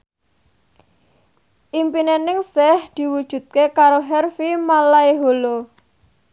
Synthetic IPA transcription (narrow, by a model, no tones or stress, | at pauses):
ʔimpinenɪŋsɛhd̪̥i̤wud̥ʒ̥ṳd̪̚kekaɾoɦɛrfimalaiɦolo